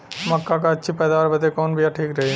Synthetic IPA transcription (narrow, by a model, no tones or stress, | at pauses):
mɐkːak̬at͡ʃʰipɐd̪aɾbɐd̪ekonbijaʈʰiːkɾei